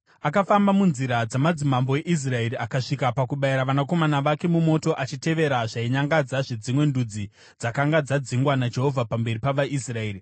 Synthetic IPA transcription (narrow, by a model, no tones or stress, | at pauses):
akafambamunziɾad͡zamad͡zimambo̞e̞ʔis̬rae̞ɾiakaʂikapakuɓaiɾaʋanako̞manaʋake̞mumo̞to̞ʔat͡ʃite̞ʋe̞ɾaʐaiɲaŋɡad͡zaʐid͡zimwe̞ndud͡zi | d͡zakaŋɡad͡zad͡ziŋɡwanad͡ʒe̞ɦo̞vʱapambe̞ripaʋaʔisraeːri